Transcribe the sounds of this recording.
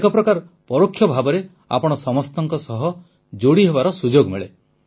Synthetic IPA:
kɔpɾɔkaɾ | pɔɾokʰːjɔbʱabɔɾe | a̰pɔɽ̃ɔsɔmɔst̪ɔŋkɔsɔɦɔ | d͡ʒoɽiɦebaɾɔsud͡ʒoɡmeɭe

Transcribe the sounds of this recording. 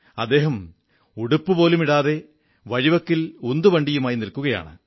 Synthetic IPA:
ɐd̪ːe̞ːɦɐm | uɽupːɨpo̞ːlumiɽaːðe̞ | ʋɐɻiʋɐkːilund̪ubɐɳɖijumaːjinilkuɣɐja̰ːɳɨ̰

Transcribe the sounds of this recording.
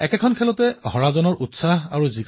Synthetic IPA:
ɛkɛkʰɔnkʰɛlɔtɛhɔɹazɔnɔɹʔutsaɦaɹuziɡ

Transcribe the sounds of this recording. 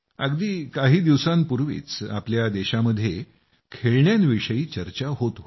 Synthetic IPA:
ə̰ɡd̪iːkaɦiːd̪iʋsanpuɾʋḭːt͡sa̰pljad̪eɕaməd̪ʱːje | kʰeɭɳjanʋiʂəiːt͡ɕəɾt͡ɕaɦot̪

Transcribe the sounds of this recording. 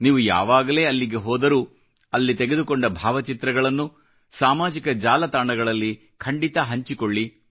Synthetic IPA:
niːʋuja̰ːʋaːɡɐle̞ːɐlːiɡe̞ɦɔːd̪ɐɾuː | ɐlːit̪eɡed̪ukoɳɖɐbʱaːʋɐt͡ʃit̪ɾɐɡɐɭɐnːu | saːmaːd͡ʒikɐd͡ʒaːlɐt̪aːɳɐɡɐɭɐlːi | kʰɐɳɖit̪ɐɦɐɲt͡ʃikoɭːi

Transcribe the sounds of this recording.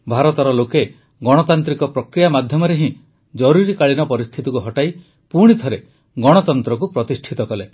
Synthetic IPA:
bʱaɾɔt̪ɔɾɔloke | ɡɔɽ̃ɔt̪ant̪ɾikɔpɾɔkɾijamad̪ʱjɔmɔɾeɦĩ | d͡ʒɔɾuɾikaɭinɔpɔɾist̪ʰit̪ikuɦɔʈaj | puɽ̃it̪ʰɔɾe | ɡɔɽ̃ɔt̪ɔnt̪ɾɔk̬upɾɔt̪isʈʰit̪ɔkɔle

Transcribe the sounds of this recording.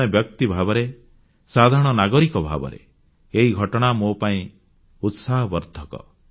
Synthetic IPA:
ebjɔk̚t̪ibʱabɔɾe | sad̪ʱaɾɔɽ̃ɔnaɡɔɾikɔbʱa̰bɔ̰ɾḛ | eɦiɡʱɔʈɔɽ̃amopaĩ | ut̪saɦɔbɔɾd̪ʱɔkɔ̰

